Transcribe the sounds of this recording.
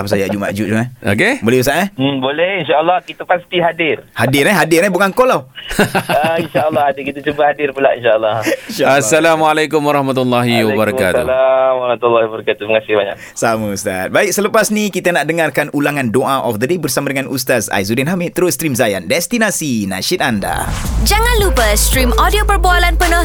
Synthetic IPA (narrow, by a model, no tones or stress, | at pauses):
apasad͡ʒaʔd͡ʒuma̰ʔd͡ʒuʔd͡ʒumao̰kebolɛhust̪aʔɛh̩bolɛhinʃaəlːɔhkit̪apast̪iɦadɪrhadɪrɛɦadɪrɛbukankolaw | ainʃaʔəlːɔhadɪkit̪at͡ʃubahadɪrpulaʔḭnʃaəlːɔhnʃaasːalamalakʊmwaɾɑhmat̪lːaɦiwabaɾakat̪ṵlamaɾmat̪alːahbəɾakat̪ubəŋasɪhbaɲa̰ʔ | samust̪a̰t̪̚baik̚sələpasnikit̪anaʔdəŋarkanulaŋandoʔaʔɔfd̪ədebərsamadəŋanʔust̪asa̰jzudɛnɦamit̪əɾʊst̪ɾimzajandɛst̪inasina̰ʃɪt̪̚anda̰d͡ʒaŋãnlupəst̪ɾimodiopərboalanpənə